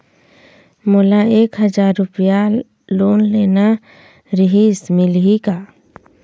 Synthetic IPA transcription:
moːlaeːkɦəzaːɾːʊpja | loːnleːna | ɾɪɦiːsmɪlɦikaː

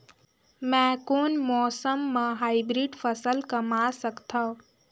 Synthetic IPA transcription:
mɛ̃ːkoːnmɔːsəmːãɦaːibɾiːɖfʰəsəlkəmaːsəkt̪ʰao

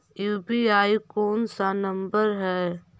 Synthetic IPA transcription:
ibiaːikoːnsanə̃mbəɾɦɛː

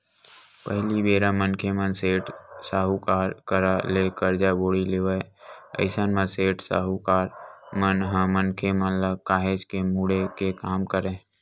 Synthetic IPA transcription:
pəɦlibeːɾamənkʰemənseːʈsaːɦukaːɾkəɾaleːkəɾd͡ʒaboːɽileːʋəə̰ɪsənmə̃seːʈsa̰ːɦukaːɾmənɦãmənkʰemənləkaːɦed͡ʒkemuɽekekaːmkəɾẽː

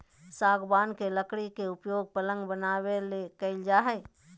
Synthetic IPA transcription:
saːɡbaːnkeləkɽikeʊpjoːɡ̚pələ̃ŋɡbənaːwelekəɪld͡ʒaːɦɛː

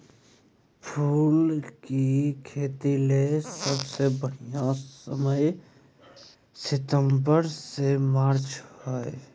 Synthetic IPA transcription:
pʰuːlkikʰeːt̪ilesəbsebəɽ̤ijasəməj | sɪt̪ə̃mbəɾsemaːɾt͡ʃhoḛ

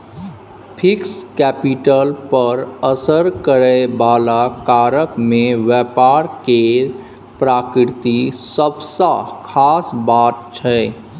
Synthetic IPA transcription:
pʰɪkskɛːpiʈəlpəɾəsəɾkəɾɛbaːlakaːɾəkmẽʋɛpaːɾke | pɾaːkɾɪɾt̪isəbsakʰaːsbaːt̪̚t͡ʃʰɛː

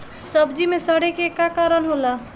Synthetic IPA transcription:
səbd͡ʒimesəɽekekakaɾənɦola

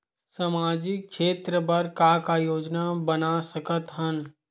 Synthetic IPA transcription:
samaːd͡ʒɪk̚ʃʰeːt̪ɾəpɐɾkaːkajoːd͡ʒnabənasəkət̪ɦən

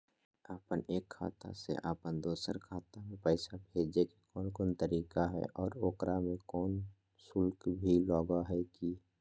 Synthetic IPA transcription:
aːpəneːkʰːa̰ːt̪a̰sḛʔaːpənd̪oːsəɾkʰaːt̪amẽpɛːsabʱeːd͡ʒekikɔːnkɔːnt̪əɾiːkaɦɛ̰ʔɔːɾoːkɾamẽkɔːn | sʊlkbʱilɔːɡaɦɛki

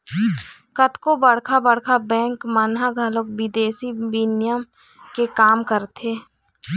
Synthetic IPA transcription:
kət̪kobəɽkʰabəɽkʰabɛ̃ːŋkmanɦaɡʱəlokbɪd̪eːsiʋɪnjəm | kekaːmkəɾt̪ʰeː

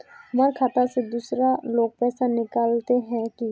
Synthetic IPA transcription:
ɦɐmaːɾkʰaːt̪ased̪uːsɾaloːɡ̚pɛːsanɪkaːlt̪eɦɛ̃ki

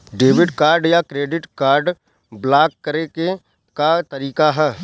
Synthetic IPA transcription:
ɖeːʋɪɖkaːɾɖjakɾeːɖɪʈkaːɾɖ | blaːkːəɾeke | kat̪ɐɾiːkaɦɛː

